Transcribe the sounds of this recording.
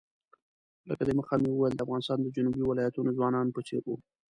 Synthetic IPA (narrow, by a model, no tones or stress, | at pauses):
ləkad̪eməxamewəwajəld̪əafɣɑnɪst̪ɑnd̪əd͡ʒunubiwɪlɑjat̪unozwɑnɑnpət͡ʃḛɾwu